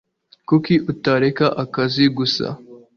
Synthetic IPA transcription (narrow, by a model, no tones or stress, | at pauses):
kukiʔutaɾekaʔakaziɡusa̰